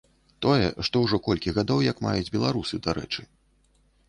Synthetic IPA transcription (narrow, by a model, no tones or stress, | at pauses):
t̪ɔjɛ̰ʂt̪ɔwʐɔkɔlʲkʲiɣad̪ɔwjɐkma̰jud͡zʲbʲɛlˠaɾusɨd̪aɾɛ̰t͡ʂɨ